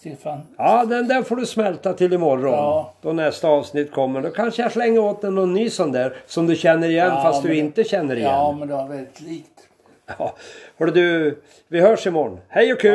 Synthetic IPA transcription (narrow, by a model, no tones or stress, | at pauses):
ɪfajɑːd̪ɛnd̪ɛɾfoːɖɵsmɛlt̪at̪ʰɪlːɪmɔɾːɔnd̪̥ɔnɛst̪aɑːvsnɪt̪ːkʰɔmːəɖɔkʰanʂəjaʂlɛŋːəoːt̪̚d̪ɛnːɔnːyːsɔnd̪æːɾsɔmd̪ɵɕɛnːəɾɪjɛnːfast̪d̪ɵɪnt̪əɕɛnːəɾɪjɛːmɛnd̪ɛavɛlɪt̪liːkt̪ | ɑːhɔɖd̪ɵ | vɪhœːʂɪmɔɳhɛjɔkʰʉː